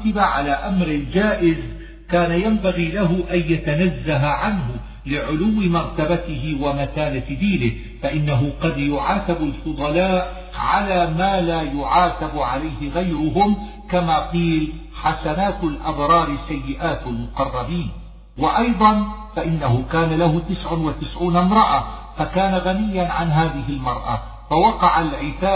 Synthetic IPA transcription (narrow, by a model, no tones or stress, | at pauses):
t̪ɪbaʕalaːʔamɾɪd͡ʒaːʔɪz | kaːnajambaɣiːlaɦʊʔanjat̪anazːaɦaʕanɦʊ | lɪʕʊlʊwːɪmɑɾˤt̪abat̪ɪɦɪwamaθaːlad̪iːlɪh | faʔɪnːaɦʊqɑd̪jʊʕaːt̪abalfʊd̪ˤɑlaːʔ | ʕalaːmaːlaːjʊʕaːt̪abʕalajhɪɣajɾʊɦʊm | kamaːqiːl | ħasanaːt̪lʔɑbɾˤɑːɾɪsːajːɪʔaːt̪almʊqɑrˤːɑbiːn | wɪʔɑjd̪ˤɑnfaʔɪnːaɦʊkaːnalahʊt̪ɪsʕʊnwat̪ɪsʕuːnamɾˤɑʔafakaːnaɣanɪjːanʕanɦaːðɪɦɪlmɑɾˤʔa̰ | fawɑqɑʕalʕɪt̪aː